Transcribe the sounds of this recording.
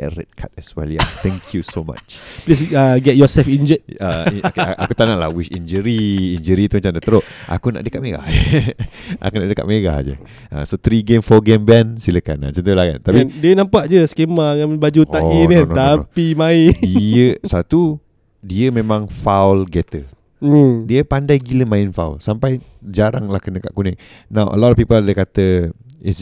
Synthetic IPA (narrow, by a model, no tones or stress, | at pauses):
ʔɛ̰ɾə̰t̪̚kʰat̪ɛsɛ̰lia̰t̪ʰɛ̃ŋkʰjusoma̰t͡ʃplis̬aɡɛt̚jɔsɛlfind͡ʒɛt̪̚əakut̪anaʔla̰wiʃind͡ʒəɾiind͡ʒəɾit̪umat͡ʃamdat̪əɾoʔʔa̰kuna̰ʔdəkat̪̚meɡa̰hə | ʔa̰kunaʔdəka̰ʔ̚meɡa̰hd͡ʒə̰ | a̰sot̪ɾiɡemfɔɡembɛnsiləkana̰nsənt̪̬ulaɡa̰nt̪apidiənãmpaʔd͡ʒəskemaɡambad͡ʒut̪ainint̪apimaɪiəsat̪u | diəmẽmãŋfawlɡɛt̪ə | diəpandajɡiləmãɪnfa̰wlsampajd͡ʒaɾaŋlahkənəka̰ʔkunɪʔ | nawʔə̰lɔtɔfpipəldəkat̪ə | is